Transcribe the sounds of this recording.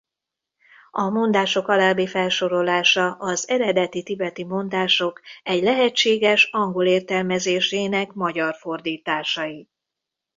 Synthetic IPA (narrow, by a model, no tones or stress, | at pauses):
ɒmo̞nd̪aːʃo̞kɒlaːbifɛlʃo̞ɾo̞laːʃɒʔɒzɛɾɛd̪ɛt̪it̪ibɛt̪imo̞nd̪aːʃo̞kɛɟlɛɦɛt͡ʃːeːɡɛʃɒŋɡo̞leːrt̪ɛlmɛzeːʃeːnɛkmɒɟɒrfo̞rd̪iːt̪aːʃɒji